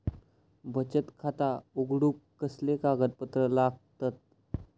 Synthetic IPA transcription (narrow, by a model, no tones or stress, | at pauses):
bʱət͡ɕət̪kʰat̪auɡɽukːəslekaɡət̪pət̪ɾəlaɡ̚t̪at̪̚